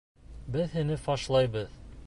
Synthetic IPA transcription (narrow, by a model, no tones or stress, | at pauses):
bɘðɦɘ̆nɘfɑʃlˠɑjbɤð